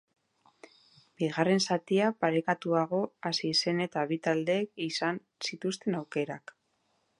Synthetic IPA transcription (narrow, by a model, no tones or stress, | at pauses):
biɣare̞nsat̪iapaɾe̞kat̪uaɣo̞asise̞ne̞t̪aβit̪ald̪e̞ːkisan | sit̪ust̪e̞nawke̞ɾak